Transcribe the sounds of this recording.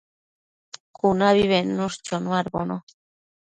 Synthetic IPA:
kunaβiβenːust͡ʃonuaɾbono

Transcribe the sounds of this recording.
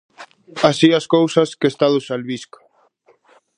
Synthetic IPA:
asiaskowsaskest̪aðusalβisko̥

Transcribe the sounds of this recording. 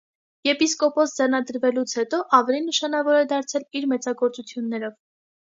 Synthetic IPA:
jɛpiskɔpɔsd͡zɛrnɑd̪əɾvɛlut͡sʰhɛt̪ɔʔɑvɛlinːəʃɑnɑvɔɾɛd̪ɑɾt͡sʰɛliɾmɛt͡sɑɡɔɾt͡sut͡sʰjunːɛɾɔv

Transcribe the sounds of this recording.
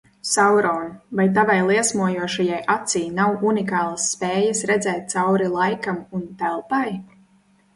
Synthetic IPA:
sawɾɔːnvajt̪̬avajlˠiɛsmuɔjuɔʃajajʔat̪siːjnawunikaːlˠasːpeːjɐsɾɛd̪zɛːt̪̚t̪sawɾilˠajkamunt̪ɛlˠpaj

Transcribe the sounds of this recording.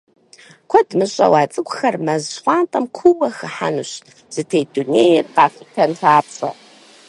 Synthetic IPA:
kʷʰɐdmɨɕʼɐ̰wɑːt͡sʼɨɡʷʼxɐrmɐzχʷɑːntʼɐmkʷʰuwɐxɨħa̰nuɕ | z̥ɨtʰejduneːjɛrqɑːfitʰɐnɬaːpɕʼɐ̰

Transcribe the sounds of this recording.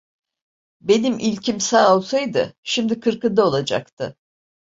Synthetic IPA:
be̞nimʔilʲcʰimsaːolˠsajd̪ɯ̰ʃimd̪ikʰɯɾkɯd̪ao̞lˠad͡ʒa̰kt̪ʰɯ

